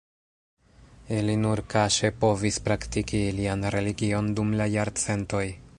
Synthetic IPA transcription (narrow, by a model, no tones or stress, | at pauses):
ilinuɾkaʃe̞po̞vispɾaktikiːlianɾe̞liɡio̞ndumlajaɾt͡se̞nto̞j